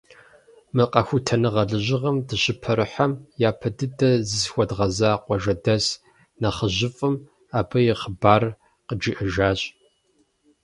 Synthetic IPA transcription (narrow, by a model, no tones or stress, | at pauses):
mɨqɐxʷʊtʰɐnɨʁɐɮɨʑɪʁɐmdɨɕʼɪpʰɐɾɨħamjaːpʰɐdɨdɐzɨzxʷɔdʁɐzaːqʷɔʒɐdɐs | nɐχəʑɪfʼɨm | aːbɐjɛχəbaːr | qəd͡ʒiʔɨʒaːɕʼ